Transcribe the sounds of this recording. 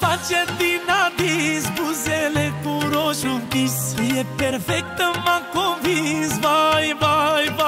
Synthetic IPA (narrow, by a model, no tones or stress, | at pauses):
fat͡ʃed̪inad̪isbuzelekuɾoʃupisɛpeɾfɛk̚t̪əmakovisbajbajba